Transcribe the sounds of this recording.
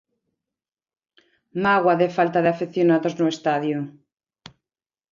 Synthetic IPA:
maɣwaðefalt̪aðeafiθjonaðoznoest̪aðju

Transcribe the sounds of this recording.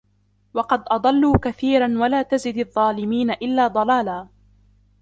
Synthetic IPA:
wɑqɑd̪ʔɑd̪ˤɑlːuːkaθiːɾanwalaːt̪azɪd̪ɑðˤːɑːlɪmiːnaʔɪlːaːd̪ˤɑlaːlaː

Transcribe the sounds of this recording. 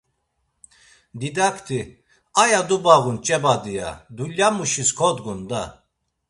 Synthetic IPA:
d̪id̪akʰt̪ʰi | ajad̪ubaʁunt͡ʃʼɛbad̪ija̰d̪uljamuʃiskʰɔd̪ɡund̪a

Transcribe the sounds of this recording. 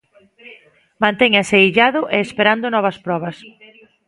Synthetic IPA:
mãnt̪eɲɐseiʎaðʊʔeːspeɾand̪ʊnɔβ̞ɐspɾɔβ̞ɐs

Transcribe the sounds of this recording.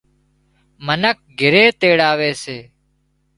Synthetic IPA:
mənək̚ɡʱɪɾeːt̪eːɽaːʋeːseː

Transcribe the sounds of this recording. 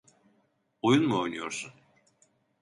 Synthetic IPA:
ojunmuo̞jnujo̞ɾsun

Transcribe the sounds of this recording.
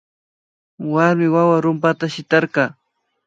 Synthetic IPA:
waɾmɪwawaɾʊmpat̪aʃɪt̪ɑɾqɑː

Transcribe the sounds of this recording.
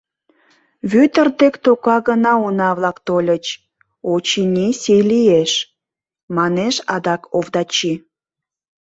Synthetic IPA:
βyt̪ərd̪ekt̪okɑɣənɑunɑβlɑkt̪olʲət͡ɕ | ot͡ɕinʲisejlieʃ | mɑneʃɑd̪ɑkovd̪ɑt͡ɕi

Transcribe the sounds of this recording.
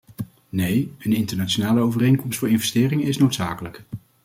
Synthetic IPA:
nejənɪntəɹnat͡ʃonaːləowvərejŋnkɔmstfʊːɹɪnvɛstɪːrɪŋəɪsnowtsaːkələk

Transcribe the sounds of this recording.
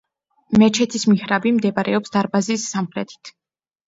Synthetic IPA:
mɛt͡ʃʰɛt̪ʰismihɾabimd̪ɛbaɾʔɛɔpsd̪̥aɾbazisːamχɾɛt̪ʰi̥t̪ʰ

